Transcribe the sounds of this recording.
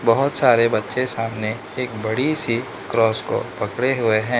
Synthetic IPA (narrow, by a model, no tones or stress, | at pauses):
bɐɦʊt̪saːɾebɐtːʃesaːmne | eːk̚bɐɽisi | kɾɔːsko̰pɐkɽeɦʊeɦɛ̃ː